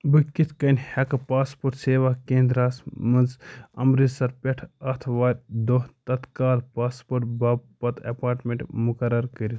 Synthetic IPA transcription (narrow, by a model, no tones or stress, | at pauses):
bɨkit̪ʰkɐnʲhɐkɐpaːspoːɾʈseːʋakeːnd̪ɾaːsmɐnzɐ̰mɾizsɐɾpʲɛʈʰɐt̪ʰʋaːɾʲd̪oɦt̪ɐt̪kaːlpaːspoːɾʈbaːbpɐt̪ʰɐ̰paːɾʈmʲeɳʈmukɐɾɐɾkəɾit̪